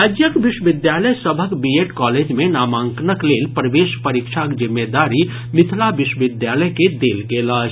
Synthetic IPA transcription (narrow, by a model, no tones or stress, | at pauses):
ad͡ʒjəkʋɪʃwʋɪd̪jaːləjsəbʱəkbijeʈkɔːleːd͡ʒmẽnaːmãːŋknəkleːlpəɾəʋeːʃpəɾikʃʰakd͡ʒɪmːed̪aːɾi | mɪt̪ʰlaʋɪʃwəʋɪd̪jaːləjked̪eːlɡeːlaːt͡ʃʰ